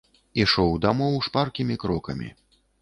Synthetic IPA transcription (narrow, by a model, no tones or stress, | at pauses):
iʂɔwd̪amɔwʂparkʲimʲikɾɔkɐ̰mʲḭ